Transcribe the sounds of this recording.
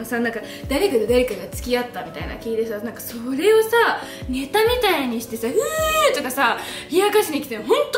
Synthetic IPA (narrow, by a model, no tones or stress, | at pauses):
osanãŋka | d̪̥aɾe̞kad̪ed̪aɾe̞kaɡat͡sɨ̥kʲiat̪ːamʲit̪a̰ḭna̰kʲiːt̪e̞sanãŋkaso̞ɾe̞o̞sa | ne̞t̪amʲit̪aiɲ̟iɕi̥t̪e̞saɯt̪o̞kasaçiakaɕinikʲi̥t̪enoɦõ̞nt̪o